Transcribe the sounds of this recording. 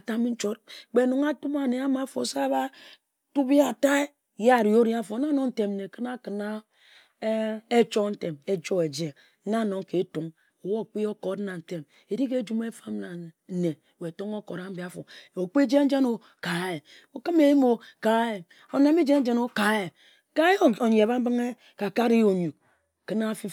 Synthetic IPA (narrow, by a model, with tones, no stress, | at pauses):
a˨ta˦m˦n̩˦t͡ʃo˦tk͡pe˨nu˨ŋa˦tu˦ma˨ne˨a˦ma˨˦fo̰˨sa˦ba˦ | tu˦bi˦a˨ta˦e˦ | ja˦˨ɾi˨o˦ɾi˦a˦fo˨˦na˦no˨n̩˦te˨m˨e˨kɨ˦na˦kɨ˨na˦ | e˦t͡ʃo˦n̩˦te˨me˦d͡ʒo˦e˨d͡ʒe˨˦ | na˦˨no˨ŋ˦ke˨˦tu˨ŋ | o˨wo˦˨k͡pi˦o˦ko˨tna˨n̩˨te˦m | e˨di˦ke˦d͡ʒu˦me˦fa˦mna˨ne˨we˨to˦ŋo˦ko˨ɾa˦m̩˦bi˨a˦fo˨o˨k͡pi˦d͡ʒe˦n˦d͡ʒe˦no˨ | ka˨e˨ | o˨kɨ˦me˨ji˦mo˨ka˨˦e˨ | o˨na˨˦mi˦d͡ʒe˦n̩˦d͡ʒe˦no˦ka˨˦e˨ | ka˦e˦o˨ɲe˨ba˦m̩˦bɨ˦ŋe˦ | ka˨ka˦ɾi˦o˨ɲu˨k̚ | kɨ˦na˦fi˦